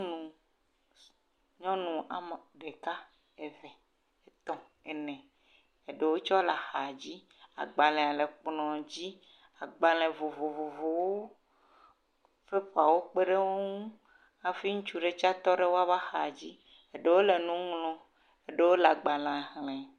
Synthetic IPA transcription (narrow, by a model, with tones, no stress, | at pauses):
nũ˨ | ɲɔ̃˦nũ˨ʔa̰˨me˨ɖe˨ka˦ | e˨vɛ˨ | e˨t̪ɔ˦ | e˨nɛ̃˨ | e˨ɖe˨wo˦t͡ʃɔ˦la˨xa˨d͡ʑi˦ | a̰˨ɡ͡ba˨lẽ˨a˨le˨k͡plɔ̃˨d͡ʑi˦ | a˨ɡ͡ba˨lẽ˨vo˨vo˨vo˨vo˨wo˦ | fe˦ɸo˨a˨wo˦k͡pe˦ɖe˦wo˦ŋ˦ũ˦ | a˨fi˦ŋũ˦t͡ʃu˦ɖe˨t͡ʃa˦t̪ɔ˦ɖe˦wo˦a˦va˦xa˨d͡ʑi˦ | e˨ɖe˦wo˦le˨nũ˦ŋlɔ̃˦ | e˨ɖe˦wo˦la˨ɡ͡ba˨lã˨ɦlɛ̃˨